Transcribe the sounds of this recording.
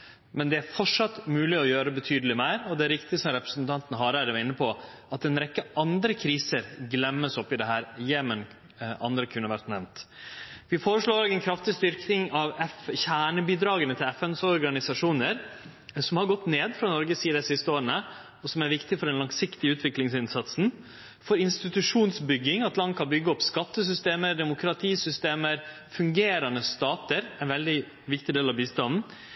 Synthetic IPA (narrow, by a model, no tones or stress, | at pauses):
mɛnd̪ɛæɾfɔʈʂɑt̪ːmʉːlɪɔjøːɾəbət̪ʰyːd̪əlɪmæɪɾɔd̪ɛæɾʋɪkt̪ɪsɔmɾɛpɾə̥snt̪ʰɑnt̪ənəɦɑɾæɾʋɑɾɪnːəpʰɔ | ʔɑt̪ɛnɾɛkːəʔɑnd̪ɾəkʰɾiːsəɾɡlɛmːəsɔpːɪd̪ɛɦhæːɾjeːmən | ʔɑ̰nd̪ɾəkʰʉnːəʋæɾt̪nɛmnt̪ʋɪfoːɾəʂloːɾoːɡɛnkʰɾɑft̪ɪst̪ʏɾknɪŋɑʋɛfçæːɳəbiːd̪ɾɑːɡənət̪ʰɪlɛfɛnsɔɾɡɑnɪsɑʂuːnəɾ | sɔmhɑɾɡɔt̪ːneːd̪fɾɑnɔɾɡəsiːəd̪ɛsɪst̪əoːɾəɳə | ɔsɔmæɾʋɪkt̪ɪfɔɾɛnlɑŋsɪkt̪ɪəʉːt̪ʰʋɪklɪŋsɪnsɑt̪sn̩ | fɔɾɪnst̪ɪt̪ʉʂuːnsbʏɡːɪŋɑt̪lɑŋkɑbʏɡːəɔpskɑt̪ːəs̬ʏst̪eːməɾd̪ɛmʊkʰɾɑt̪ʰiːsʏst̪eːməɾ | fʉŋɡeːɾɑnəst̪ɑːt̪əɾɛnʋɛld̪ɪ | ʋɪk̚t̪ɪd̪eːlɑʋbiːst̪ɑnn̩